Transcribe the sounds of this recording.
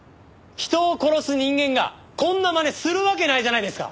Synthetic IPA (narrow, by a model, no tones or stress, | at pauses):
çi̥t̪o̞ːko̞ɾo̞sɨɲ̟ĩŋɡẽ̞ŋɡa̰ | kõ̞nːamane̞sɨɾɯ̟βak̬e̞naiʑanaid̪e̞sɨ̥ka̰